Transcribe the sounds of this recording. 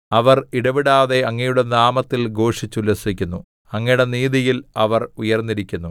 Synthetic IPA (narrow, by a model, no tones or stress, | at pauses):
ɐʋɐriɽɐʋiɽaːðe̞ɐŋːɐjuɽenaːmɐt̪ːilɡo̞ːʂit͡ɕːulɐsikʲːunːu | ɐŋːɐjɽeniːðijilɐʋɐrujɐrnːiɾikʲːunːu